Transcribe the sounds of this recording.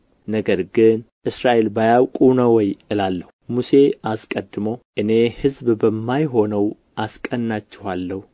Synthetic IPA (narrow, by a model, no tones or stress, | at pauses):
nəɡəɾɡɨnʔɨsɾaʔe̞lbajawkʼunəwɔjʔɨlalːəhumuse̞askʼəd̪ːɨmoʔɨne̞hɨzbbəmːajɦo̞nəw | ʔaskʼənːat͡ʃːɪhalːəhu